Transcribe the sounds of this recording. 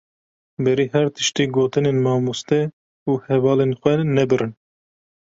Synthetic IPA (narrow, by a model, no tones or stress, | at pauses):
bɛɾiːɦɛɾt̪ʰɨ̥ʃt̪iːɡoːt̪ɨneːnmɑːmust̪ɛ | uːhɛvɑːlenxʷɛnɛbɨɾɨn